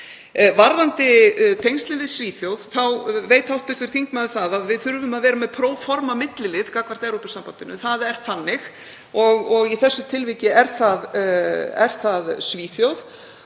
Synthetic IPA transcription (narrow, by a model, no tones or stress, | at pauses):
vaɾðant̪ɪt̪ʰejnst̪ɪnvɪðsviːθjowðθawveːjt̪awht̪ːʏht̪ʏɾ̥θiŋkmaðʏθaðaðvɪðθʏɾvʏmaðvɛːɾamɛðpʰɾoːwfɔɾmamɪt̪lɪlɪðkakvar̥t̪ɛɾowpʏsampant̪ɪnʏθaðɛɾ̥θanːɪx | ɔɣɔɣiθɛsːʏt̪ʰɪlvicɪɛɾ̥θað | ɛ̰ɾ̥θaðsviːθjowð